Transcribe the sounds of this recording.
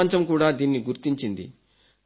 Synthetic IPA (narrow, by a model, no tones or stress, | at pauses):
ɲt͡ʃɐmkuːɽaːd̪iːnːiɡuɾt̪iɲt͡ʃind̪ḭ